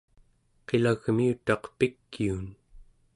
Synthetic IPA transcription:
qe̞laɣmiut̪ɑqpikːiun

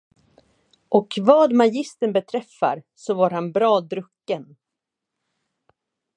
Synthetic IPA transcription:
ʔɔkvɑːd̪majɪst̪ənbɛt̪ʰɾɛfːa̰ɾ | sɔvaɾhanbɾɑːd̪ɾɵkːən

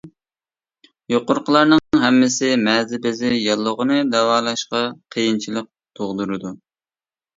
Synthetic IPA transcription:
joqʊɾqʰəlˠɑɾnɨɦɛmːɪsɪmɛzɪbɪzɪjɑlˠːəʁənɨd̪ɛwɑːlˠɑʃqɑqʰəjint͡ʃʰilˠəq̚t̪ʰoʁd̪uɾɨd̪u

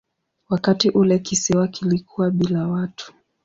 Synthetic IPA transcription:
wakatiʔulɛkisɛwakilikʰuwaɓilawatʰu̥

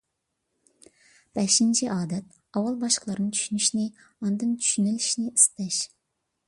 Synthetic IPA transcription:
b̥ɛʃint͡ʃʰiʔɑːd̪ɛt̪̚ | ɑwɑlˠbɑʃəqlˠɑɾnɨŋt͡ʃʰy̥ʃynyʃnɪ | ɑnd̪ɨnt͡ʃʰy̥ʃynɪliʃnɪʔist̪ɛʃ

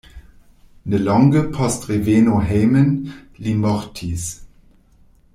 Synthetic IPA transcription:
nəlɑŋɡəpʰastʁeveːnoɦɛːmənlimɔʁtʰis

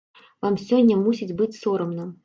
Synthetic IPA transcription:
vamsʲɔnʲːɐmusʲid͡zʲbɨt͡sʲsɔɾɐmnɨm

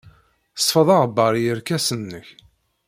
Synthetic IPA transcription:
sˤfəðˤɑʁbːɑɾˤjəɾkæsənːəç

